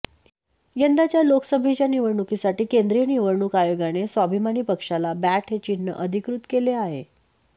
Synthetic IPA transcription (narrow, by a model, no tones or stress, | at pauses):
jənd̪at͡ɕjaloksəbʱet͡ɕjaniʋəɾɳukisaʈiːkend̪ɾijəniʋəɾɳukajoɡanesʋabʱimañiːpəkʂalabæʈɦet͡ɕinːə̰ʔəd̪ʱikɾut̪keleaɦe